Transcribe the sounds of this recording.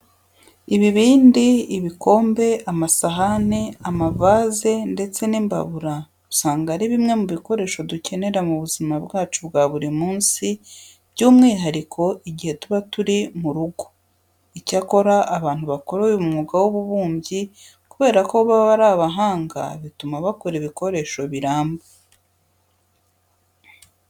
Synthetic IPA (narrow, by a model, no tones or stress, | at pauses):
iβiβiːndiːβikʰo̞ːmbe̞amasaɦaniamavaːze̞nde̞t͡se̞niːmba̰βuɾa | ɾusaːŋɡaɾiβimŋe̞muβiko̞ɾe̞ʃo̞duce̞ne̞ɾamuβuzimabɡaːt͡ʃubɡaːβuɾimuːnsi | b̥ɟuːmŋiːɦaɾikʰo̞iɟihe̞tuβatuɾimuɾuɡo | icako̞ɾaʔːβaːn̥huβako̞ɾojumuŋuɡawoβuβuːmbɟi | kuβe̞ːɾako̞βaβaɾaːβaɦaːŋɡa̰βitumaβakoɾiβiko̞ɾe̞ʃo̞βiɾaːmba